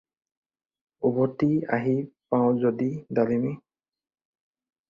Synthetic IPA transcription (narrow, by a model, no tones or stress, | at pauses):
ubɔtiaɦipãʊ̃zodidalimi